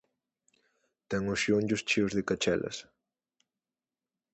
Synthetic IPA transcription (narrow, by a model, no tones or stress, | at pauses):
t̪ɛŋʊsʃioɲɟʊst͡ʃiwzðɪkat͡ʃɛ̰lʔɐ̰s